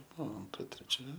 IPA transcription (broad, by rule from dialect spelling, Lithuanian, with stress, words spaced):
ˈbuɔ ɐnˈtrɐ tʲrʲɛˈt͡ʃʲɛ